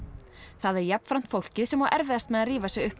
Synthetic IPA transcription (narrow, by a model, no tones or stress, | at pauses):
θaðɛɾjapn̥fɾam̥t̪fowl̥cɪðsɛmawʔɛɾvɛðast̪mɛðaðriːvasjɛɣʏhp